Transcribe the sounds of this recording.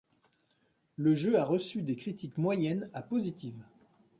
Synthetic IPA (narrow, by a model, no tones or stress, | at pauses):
ləʒøaʁəsyd̪ekχit̪ikmwajɛnapozit̪iv